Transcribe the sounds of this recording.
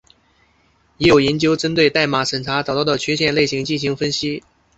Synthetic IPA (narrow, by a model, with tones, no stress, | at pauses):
jɛ˧˥jo˨˩ʊjɛ˧˥nt͡ɕjo˥ʊʈ͡ʂə˥nt̪we˥˧ɪt̪a˥˩ɪma˨˩˥ʂə˨˩nʈ͡ʂʰa˧˥t͡sɑ˨˩t̪ɑ˥˩ʊd̪ə˩t͡ɕʰɥɛ˧˥ɕjɛ˥˧nle˥˩ɪɕi˧˥ŋt͡ɕi˥˩nɕi˧˥ŋfə˥nɕi˥